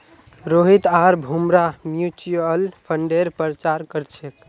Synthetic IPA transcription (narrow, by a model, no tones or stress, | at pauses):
ɾoɦit̪aɾbʱumɾamjut͡ʃuəlpʰəɳɖeɾpɾt͡ʃaɾkəɾt͡ʃʰek